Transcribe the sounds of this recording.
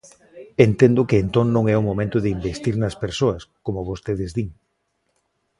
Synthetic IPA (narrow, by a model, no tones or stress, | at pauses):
ent̪end̪ʊkɪːnt̪oŋnõŋɛʊmomẽnt̪ʊðɪimbest̪iɾnɐspeɾsoɐskomʊβost̪eðɪzðiŋ